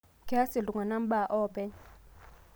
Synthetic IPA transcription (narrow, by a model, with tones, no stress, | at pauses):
kɛ˦a˦si˨lu˨ŋa˨na˦m̩˦ɓa˨ʔɔː˦bɛ˦